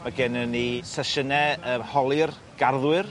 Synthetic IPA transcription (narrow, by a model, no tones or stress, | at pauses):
maɡɛnənisɛʃənɛəːhɔlˠɨr | ɡ̥arðwɨr